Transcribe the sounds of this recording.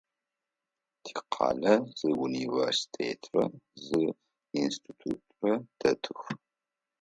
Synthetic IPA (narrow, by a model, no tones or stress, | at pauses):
tʰi̥ːqʰɑ̰ːlɐz̥ɨuniversi̥tʰḛːtʰrɐ̰zɨ | instʰitʰṵːtʰʼrɐd̥ʰɐtʰɨx